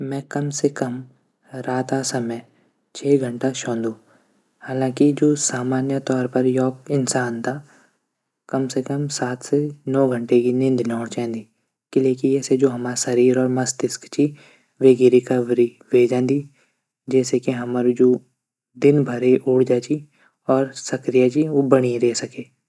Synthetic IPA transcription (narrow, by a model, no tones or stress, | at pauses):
mɛ̃ːkɐmsekɐm | ɾaːt̪asɐməj | t͡ʃʰɛːɡʱə̃ɳʈaʃɔ̃ːnd̪ũː | haːlãːkid͡ʒoːsaːmaːnjət̪ɔːɾpɐɾjɔːkɪnsaːnt̪ʰaː | kɐmsekəmsaːt̪ʰsenɔːɡʱə̃ɳʈekinɪ̃nd̪nɔːɽt͡ʃɛ̃ːnd̪iː | kɪleːkiɛːsed͡ʒoːɦɐmaːsɐɾiːɾɔːɾmɐst̪ɪskt͡ʃiː | ʋeːɡɪɾikaʋɾi | ʋeːd͡ʒãːnd̪iː | d͡ʒɛːsekiɦɐməɾd͡ʒoː | d̪ɪnbʱɐɾeʔuːɽd͡ʒaːt͡ʃiː | ɔːɾsɐkɾijat͡ʃiʋoːbɐɽ̃iɾɛːsɐkeː